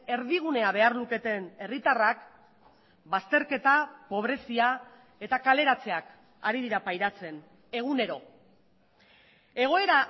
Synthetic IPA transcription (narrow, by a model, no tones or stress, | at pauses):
e̞ɾðiɣ̞une̞aβ̞e̞arluke̞t̪e̞ne̞rit̪arak | bast̪e̞ɾke̞t̪apo̞βɾe̞sia | e̞t̪akale̞ɾat͡se̞ak | a̰ɾiðiɾapajɾat͡se̞n | e̞ɣ̞une̞ɾo̞ | e̞ɣ̞o̞e̞ɾa